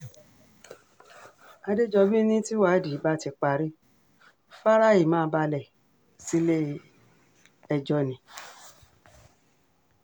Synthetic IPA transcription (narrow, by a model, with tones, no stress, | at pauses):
a˧de˦d͡ʒɔ˧bi˦nĩ˦ti˦wa˨˦di˨˦ba˦ti˧k͡pa˧ɾi˦ | fa˦ɾa˦˨i˦˨mãː˦˧˦ba˧lɛ˨ | si˦le˦ | ɛ˧d͡ʒɔ˧nĩ˨˦